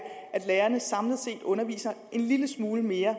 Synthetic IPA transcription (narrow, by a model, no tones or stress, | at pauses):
æd̥leːɐnəsɑ̈mləð̩ˠse̝̰ːd̥ɔ̽nɐʋḭːsɐʔe̝nliləsmuːləme̝ːɐ